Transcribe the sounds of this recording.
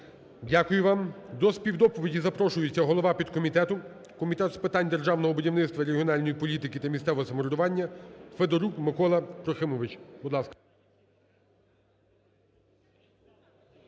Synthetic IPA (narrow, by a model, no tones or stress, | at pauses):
dʲakʊjʊʋɑmd̪ɔspʲiwd̪ɔpɔʋʲidʲizɐpɾɔʃʊjʊt͡sʲːɐɦɔlˠɔʋɑpʲid̪kɔmʲit̪ɛt̪ʊ | kɔmʲit̪ɛt̪spɪt̪ɑnʲd̪e̞rʒɑwnɔɦɔbʊdʲiwnɪt̪st̪ʋɐɾeɦiɔnɑlʲnɔjipɔlʲit̪ɪkɪt̪ɐmʲisɛʋɔɦɔsɐmɔɾʊd̪ʊʋɑnʲːɐfed̪ɔɾukmɪkɔlˠɐpɾɔxɪmɔʋɪt͡ʃbʊd̪lˠɑskɐ̥